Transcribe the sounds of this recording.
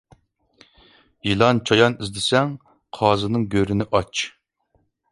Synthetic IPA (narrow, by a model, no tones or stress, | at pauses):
jilˠɑnt͡ʃʰɑjɑnizd̪ɪsɛŋ | qʰɑːzɨnɨŋɡʲøɾɪnɪʔɑt͡ʃ